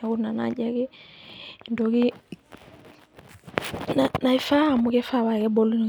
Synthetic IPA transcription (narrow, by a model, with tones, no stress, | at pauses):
aku˦na˨na̰ɟa˦kɛ˦ | ndɔki | na˨na˨i˦fa˦a˨mukɛ˦fa˦βa˨kɛ˦bɔlu˦n˨